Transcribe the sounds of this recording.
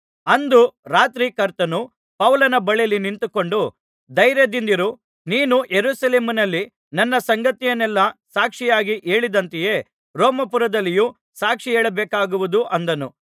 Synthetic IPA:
ɐnd̪uɾaːt̪ɾikɐɾt̪ɐnu | pɐʋlɐnɐbɐɭɛjɐlːinint̪uko̞ɳɖu | d̪ɐjɾjɐd̪ind̪iɾu | niːnujeɾuːsɐleːminɐlːi | nɐnːɐsɐŋɡɐt̪ijɐnɛlːɐsaːkʂijaːɡiʔe̞ːɭid̪ɐnt̪ɛje̞ː | ɾoːmɐpuɾɐd̪ɐlːiju | saːkʂieːɭɐbɛːkaːɡuʋud̪uʔɐnd̪ɐnu

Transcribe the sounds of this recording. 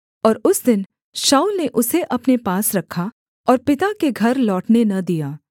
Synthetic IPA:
ɔːɾʊsd̪ɪn | ʃaːulneʔʊseʔɐpnepaːsɾɐkʰːa | ɔːɾpɪt̪akeɡʱɐɾlɔːʈnenɐd̪ijaː

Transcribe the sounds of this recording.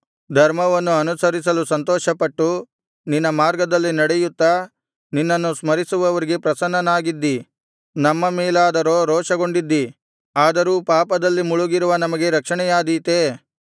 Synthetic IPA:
d̪ʱɐɾmɐʋɐnːuɐnusɐɾisɐlusɐnt̪ɔːʃɐpɐʈːu | ninːɐmaːɾɡɐd̪ɐlːinɐɽɛjut̪ːɐ | ninːɐnːusmɐɾisuʋɐʋɐɾiɡe̞pɾɐsɐnːɐnaːɡid̪ːi | nɐmːɐmɛːlaːd̪ɐɾoːɾɔːʂɐɡo̞ɳɖid̪ːi | aːd̪ɐɾuːpaːpɐd̪ɐlːimuɭuɡiɾuʋɐnɐmɐɡe̞ɾɐkʂɐɳɛjaːd̪iːt̪eː

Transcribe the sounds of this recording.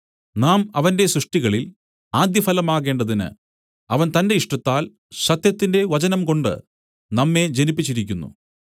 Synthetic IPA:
naːmɐʋɐnde̞sɾuʂʈiɣɐɭil | aːd̪jɐfɐlɐmaːɣe̞ːɳɖɐðinɨ̰ | ɐʋɐnt̪ɐnde̞iʂʈɐt̪ːaːl | ɕɐt̪jɐt̪ːinde̞ʋɐt͡ɕɐnɐmko̞ɳɖɨ̰ | nɐmːe̞d͡ʑe̞nipːit͡ɕːiɾikʲːunːṵ

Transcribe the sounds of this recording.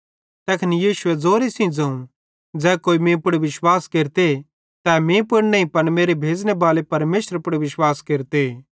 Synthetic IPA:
t̪ɛːkʰnijiːʃʊɛd͡zoːɾesĩd͡zɐ̃ũ | d͡zɛːkoːimẽpʊɽʋɪʃwaːskeːɾt̪e | t̪ɛːmẽpʊɽnɐ̃ĩpɐnmeːɾebʱeːd͡znebaːlepɐɾmeːsəɾpʊɽeʋɪʃwaːskeːɾt̪e

